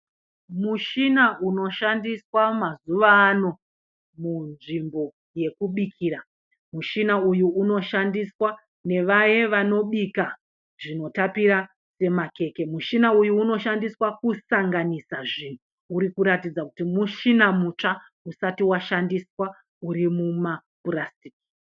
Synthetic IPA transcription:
muʃinauno̞ʃandiswamazuʋaːno̞ | munʐimbo̞ | je̞kuɓikʰiːɾa | muʃinaujuːno̞ʃandiswa | ne̞ʋaje̞ʋano̞ɓika | ʐino̞tapiɾa | se̞make̞ke̞muʃinaujuːno̞ʃandiswakusaŋɡanisaʐin̤u | uɾikuɾatid͡zakutimuʃinamut͡ʂa | usatiwaʃandiswa | uɾimumapurastiki̥

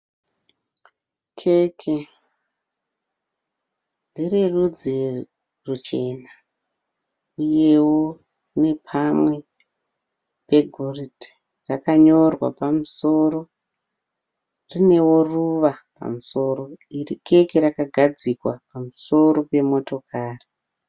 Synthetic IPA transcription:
kʰekʰe | ndirerud͡zi | rut͡ʃe̞na | uje̞wo | ne̞pʰamwe̞ | pe̞ɡʱoriti̥ | rakaɲo̞rwa̰pamuso̞ːɾo̞ | rine̞wo̞ruʋapa̰muso̞ːɾo̞irike̞keɾakaɡʱad͡zikwapamuso̞ɾo̞pe̞mo̞to̞kʰaːri

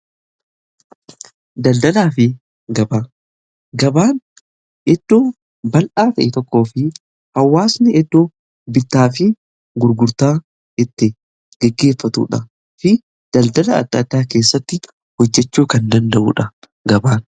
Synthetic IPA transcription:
d̪ɐld̪ɐlaːfɪ | ɡɐbaː | ɡɐbaːn | ʔɛd̪̥ːoː | bɐlʔaːt̪ɐʔɪt̪ɔkʼːo̞ːfɪ | hɐwːaːsnɪɛd̪ːo | bɪt̪ːaːfɪ | ɡʊɾɡʊɾt̪aː | d͡ʒɛt̪ːɪ | ɡ̥ɛɡːe̞ːfːɐt̪ṵːᶑɐ | fɪ | d̪̥ɐld̪ɐlɐɐ̰d̪ːɐd̪ːaːke̞ːsːɐt̪ːɪ | hɔd͡ʒːɛt͡ʃːuːkɐnd̪ɐnd̪ɐʔṵːᶑɐ | ɡɐbaːn

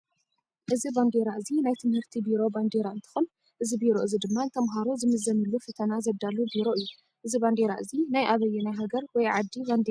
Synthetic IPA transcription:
ʔɨziband̪eɾaʔɨzinajt̪ʰɨmhɨɾt̪ʰibiɾo̞band̪eɾaɨnt̪ʰɨ̥xun | ʔɨzibiɾo̞ʔɨzid̪ɨmːaɨnt̪ʰɐmɦaɾuzɨmɨzɐnɨlːufɨt̪ʰɐnazɐβd̪alubiɾo̞ɨjːu | ʔɨziband̪eɾa̰ʔɨzinajʔaβɐjːɛnajɦaɡɐɾwɔjʕad̪ːiband̪e

